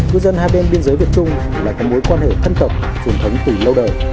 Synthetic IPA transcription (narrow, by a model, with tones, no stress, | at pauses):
ŋɨ˧əjzə˧nhaː˧jɓe˧nɓi˧ənzəː˨˦jvi˨˩ət͡ɕʊ˧ŋ͡m | laː˨˩kɔː˨˦mo˨˦jkwaː˧nhḛ˧˨t̪ʰə˧nt̪ə˨˩p̚ | t͡ɕu˧˩ənt̪ʰə˨˦wŋ͡mt̪i˨˩lə˧wɗə̰ː˧˨j